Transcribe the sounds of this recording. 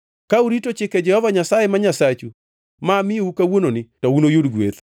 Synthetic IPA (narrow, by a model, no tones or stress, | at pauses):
kauɾitot͡ʃɪkɛd͡ʒɛhɔvaɲasajɛmaɲasat͡ʃu | mamɪjoukawononɪtounojodɡwḛt̪